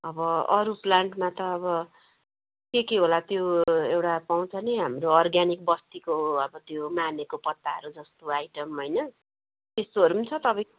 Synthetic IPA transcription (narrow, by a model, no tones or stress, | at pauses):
ʌbʌʌɾuplaɳɖmat̪ʌːbʌ | kekeɦolat̪joewʈapaw̃t͡sʰʌniɦamroʌrɡanik̚bʌst̪ikoʌbʌt̪jomanekopʌt̪ːaɦʌ̰ɾud͡zʌst̪oajʈʌmɦʌjnʌ | t̪est̪oɦʌɾunt͡sʰʌt̪ʌpʌ̃